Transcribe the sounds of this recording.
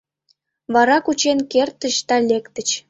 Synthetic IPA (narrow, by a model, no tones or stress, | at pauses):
βɑɾɑkut͡ɕenkert̪ə̆ɕt̪ɑlʲekt̪ə̆t͡ɕ